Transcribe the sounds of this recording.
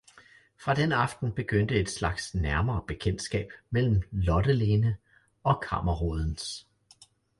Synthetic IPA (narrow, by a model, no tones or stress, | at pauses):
fʁɑ̈d̥enɑ̈fd̥n̩b̥e̝ɡ̥øn̰d̥əe̝d̥slɑ̈ɡ̥snæɐmɐːb̥e̝kʰen̰d̥sɡ̥ɛ̰ːb̥mel̰m̩lɒ̽ɾ̥əle̝ːnə | ɒ̽kʰɑ̰̈mɐʁoðˠn̩s